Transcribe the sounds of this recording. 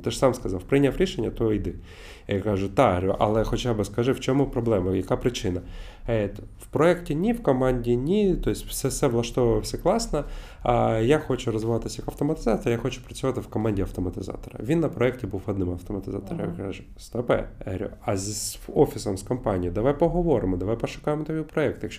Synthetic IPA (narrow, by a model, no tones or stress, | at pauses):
t̪ɛʂsamskɐzɑwpɾɪnʲafɾʲiʃenʲːɐt̪ɔijd̪ɪ | jakaʐʊt̪aɾʲuʔɐ̰lˠɛxɔt͡ɕabɨskɐʐɪft͡ʃɔmupɾɔblˠɛmɐjɐkapɾɪt͡ʃɪnɐ | ɛt̪wpɾɔɛktʲɪnʲifkɐmanʲdʲinʲit̪oɪsʲtʲfsɛsɛvlˠɐʂt̪ɔʋɐjwsʲɐklˠɑsnɐ | jaxɔt͡ʃʊɾɔzʋɪʋɑt̪ɪsʲjɐkɐwt̪ɔmɐt̪ɪzɑt̪ɔɾɐjaxɔt͡ʃʊ̥pɾɐt͡sʲʊʋɑt̪ɪwkɔmɑnʲdʲiɐwt̪ɔmɐt̪ɪzɑ̰t̪ɔɾɐ̰ʋʲinːɐpɾɔɛk̚tʲɪbuwɐd̪nɪmɐft̪ɔmɐt̪ɪzɑ̰t̪ɔɾɐ̰kaʒʊst̪ɔpɛ̰ɾʲṵɐzʲɔfʲisɐmskɐmpɑnʲijid̪ɐʋajpɔɦɔʋɔɾɪmɔd̪ɐʋajpɔʃʊ̥kɑjɪmɔt̪ɔʋʲipɾɔɛk̚t̪jɐkʃt͡ʃ